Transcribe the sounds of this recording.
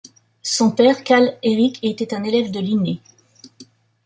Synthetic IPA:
sɔ̃pɛʁkʲaleʁikʲʰet̪ɛt̪ɛ̃nelɛvd̪əline

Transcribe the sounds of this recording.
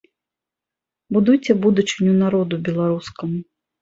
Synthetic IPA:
bud̪ujt͡sʲɛbud̪ut͡ʂɨnʲunaɾɔd̪ubʲɛlˠaɾuskɐmu

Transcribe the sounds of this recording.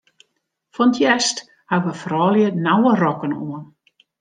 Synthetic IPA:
fɔntʰjɛst | haɡʋəfrɔːljənawərɔkənoən

